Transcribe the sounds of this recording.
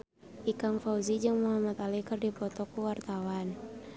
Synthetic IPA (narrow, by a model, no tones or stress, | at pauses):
ʔikaŋfauzid͡ʒɨŋmuɦamat̪alikɨrdipɔt̪ɔkuwart̪awan